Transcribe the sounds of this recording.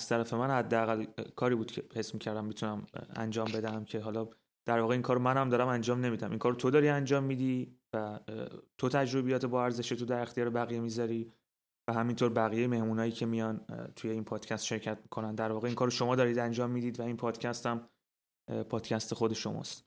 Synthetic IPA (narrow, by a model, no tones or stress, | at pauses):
æz̥t̪ʰæɾæfe̞mænhæd̪ːeæɣælkʰɒːɾiːbuːd̪cʰe̞he̞smiːcʰæɾd̪æmːit̪ʰunæmæ̰nd͡ʒɒːmbe̞d̪æmcʰe̞ɦɒlɒ | d̪̥æɾvɒːɣeiːnkʰɒːɾomænhæmd̪ɒːɾæmænd͡ʒɒːmne̞miːd̪æmʔiŋkʰɒːɾot̪ʰo̞d̪ɒːɾiænd͡ʒɒːmːiːd̪ivæt̪ʰo̞t̪ʰæd͡ʒɾo̞bijɒːt̪ʰebɒæɾzeʃet̪ʰo̞d̪æɾext̪ʰijɒːɾebæɣijemizɒɾiː | væɦæmint̪ʰoːɾbæɣijejeme̞hmuːnɒːjiːcʰe̞mijɒnt̪ʰujeiːnpʰɒːd̪̥cʰæst̪ʃe̞ɾcʰæt̪̚ʰmi̥kʰo̞nænd̪æɾvɒːɣeinkʰɒːɾoʃo̞mɒːd̪ɒːɾid̪ænd͡ʒɒːmːiːd̪iːd̪væinpʰɒːd̪̥cʰæst̪æm | pʰɒːd̪̥cʰæst̪exo̞d̪e̞ʃo̞̰mɒ̰ːst̪